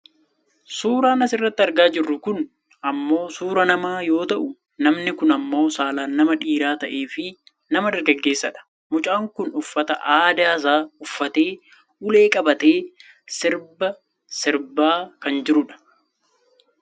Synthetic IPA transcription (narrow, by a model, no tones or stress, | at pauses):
suːɾaːnɐsɪrːɐt̪ːɪɐɾɡaːd͡ʒɪrːʊkʊn | ɐmːo̞ːsuːɾɐnɐmaːjo̞ːt̪ɐʔʊ | nɐmnɪkʊnɐmːo̞ːsaːlaːnːɐmɐᶑiːɾaːt̪ɐʔe̞ːfɪ | nɐmɐd̪ɐɾɡɐɡːe̞ːsːɐᶑɐ̥ | mʊt͡ʃʼaːŋkʊnʊfːɐt̪ɐʔaːd̪aːs̬aːʊfːɐt̪e̞ː | ʊle̞ːkʼɐbɐt̪eː | sɪɾbɐ | sɪɾbaːkɐnd͡ʒɪɾʊᶑɐ̥